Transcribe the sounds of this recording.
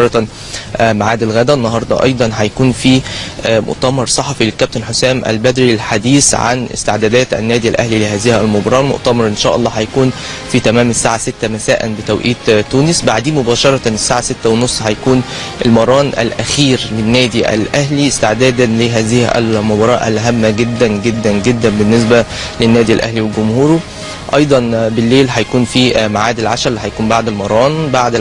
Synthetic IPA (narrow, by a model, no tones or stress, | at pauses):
ɑɾˤt̪ | maʕaːd̪ælɣæːd̪ænːɑɦɑɾˤd̪ˤɑ̰ʔɑ̰jd̪ˤɑnħæjækuːnfimo̰ʔt̪æmɑɾˤsˤɑħɑfilekæb̚t̪enħosæːmʔæ̰lbæd̪ɾilħad̪iːsʕa̰nɪ̰st̪ɪʕd̪æːd̪æːt̪æ̰nːæːd̪iælʔæhlileɦæːzɪhælmobɑɾˤɑːlmo̰ʔt̪æmɑɾˤʔenʃæːʔɑ̰lˤːɑːhæjækuːn | fit̪æmæːmesːaːʕaset̪ːæmæsæːʔæ̰nbet̪æwʔiːt̪t̪ːuːnɪsbaʕd̪iːmobæːʃɑɾˤɑnesːaːʕaset̪ːæwenosˤːhæjækuːn | ʔelmɑɾˤɑːnʔæ̰lʔæxiːɾlenːæːd̪iʔæ̰lʔæɦliɪst̪ɪʕd̪æːd̪ænleɦæːzɪhʔæ̰lmobɑɾˤɑ̰ːʔæ̰lɦæmːæɡed̪ːænɡed̪ːænɡed̪ːænbenːes̬bæ | lenːæːd̪iælʔæ̰hliwelɡʊmhuːɾu | ʔɑjd̪ˤɑnbelːeːlħæjækuːnfiːmaʕaːd̪elʕaʃæɾlːħæjkuːnbaʕd̪ælmɑɾˤɑːnbaʕd̪